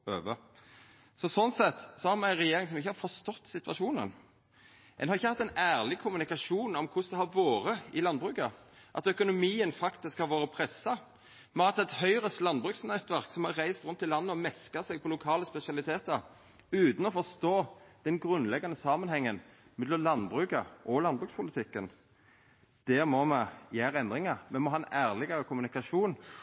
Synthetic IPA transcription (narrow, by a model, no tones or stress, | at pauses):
øːʋə | sɔsɔnsɛt̪ːsɔhɑɾmææɪnʁɛjeːɾɪŋs̬ɔmɪçːəhɑɾfɔst̪ɔt̪ːsɪt̪ʋɑʃuːnə̰n | ʔɛ̰nhɑɾʁɪçːəhɑt̪ːɛnæːʁlɪkʰʊmʉnɪkɑʂuːnɔmkʰʊsd̪ɛhɑɾʋoːɾəɪlɑnbʁʉːkɑ | ʔɑt̪œkʊnʊmiːənfɑkt̪ɪskhɑɾʋoːɾəpʰɾɛsːɑ | mɛɑt̪ɛt̪hœʏɾəslɑnbʁʉksnɛt̪ʋæɾksɔmhɑɾːæɪst̪ɾʉnt̪ːɪlɑnːəɔmɛskɑsɛɡ̚pʰɔlʊkʰɑːləspɛsɪɑlɪt̪ʰeːt̪əɾ | ʉːt̪n̩ɔfɔst̪oːd̪̥ɛnɡɾʉnlɛɡɑnəsɑːmənhɛŋːən | mɛd̪ɔmlɑnbʁʉːkɑʔɔlɑnbʁʉːkspʰʊlɪt̪ʰɪkːən | d̪̥ɛmɔmɛjæːɾəɛnd̪ɾɪŋɑɾmɛmɔɦɑːɛnæːʁlɪɡɑɾəkʰʊmʉnɪkɑʂuːn